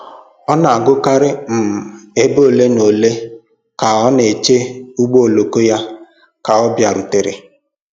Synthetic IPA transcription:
ɔ˦na˨a˨ɡʊ˦ka˦ɾɪ˦m̩˨e˦bo˦o˦˨le˦no˨le˦ | ka˨ɔ˦ne˨t͡ʃe˦u˦ɡ͡bo˦o˨lo˨ko˦ja˦ | ka˨ɔ˦bja˨ɾʊ˨te˨ɾḛ˨

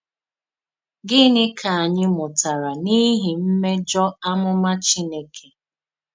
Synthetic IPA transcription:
ɡɪ˦nɪ˦kʰa˨a˨ɲɪ˦mʊ˨ta˨ɾa˨ni˦ɦi˨m̩˦me˦d͡ʒɔ˦a˦mʊ˦ma˦t͡ʃi˦ne˦kʰe˨

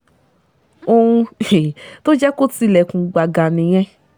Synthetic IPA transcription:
o˧ũ˧e˨to˦d͡ʒɛ˦ko˦ti˧lɛ˨kũ˨ɡ͡ba˨ɡa˨nĩ˨j̃ɛ̃˧˦

